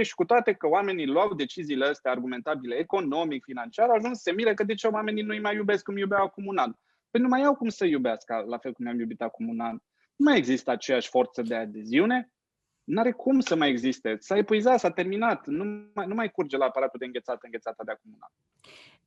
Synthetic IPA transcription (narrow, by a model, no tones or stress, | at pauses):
eʃi̥kut̪oat̪e̞kəowame̞nilwawd̪e̞t͡ʃiziːleəst̪earɡume̞nt̪abileːko̞no̞mikfinant͡ʃiaɾawaʒunsse̞miɾəkəd̪e̞t͡ʃeowame̞ninuijmajːube̞skumjubawakumunan | penumajawkumsəjubeaskəlafe̞lkumeamjubit̪akumunan | numaje̞ɡzist̪əat͡ʃe̞jaʃʲfo̞rt̪səd̪e̞ad̪e̞ziune̞ | naɾe̞kʰumsəmajeɡzist̪e̞saepuizat̪sat̪e̞rminat̪numajnumajkurd͡ʒe̞laːpaɾat̪uld̪eɨŋɡʲesat̪əɨŋɡʲet̪sat̪ad̪eakumuna̰n